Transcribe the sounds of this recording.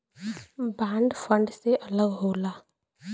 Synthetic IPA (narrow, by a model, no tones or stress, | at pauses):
bãːɳɖfʰə̃ɳɖseʔɐləɡɦoːlaː